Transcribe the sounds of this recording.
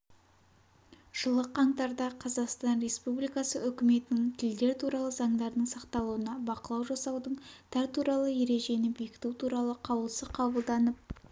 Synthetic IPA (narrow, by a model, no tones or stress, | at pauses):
ʒ̥əlˠəqʰɑɴt̪ɑɾd̪ɑqʰɑzɑqst̪ɑnɾe̞spublijkɑsəʔʏkʲɪme̞t̪ɪnɪŋt̪ʰɪld̪e̞ɾt̪ʰuɾɑlˠəzɑɴd̪ɑɾd̪əɴsɑqt̪ɑlˠuənɑbɑqəlˠɑwʒɑsɑwd̪əɴt̪ʰæɾt̪ʰuɾɑlˠəje̞ɾe̞ʒe̞nɪbekʲɪ̥t̪ut̪ʰuɾɑlˠəqʰɑwəlˠsəqʰɑbəlˠd̪ɑnəp̚